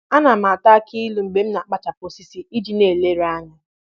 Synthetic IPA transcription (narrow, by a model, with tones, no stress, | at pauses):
a˦na˨ma˨ta˦ki˦lu˨ŋ͡m̩˨ɡ͡be˨m̩˦na˨k͡pa˦t͡ʃa˨po˨si˦si˨i˦d͡ʒi˨ne˨le˦ɾa˦ɲa˦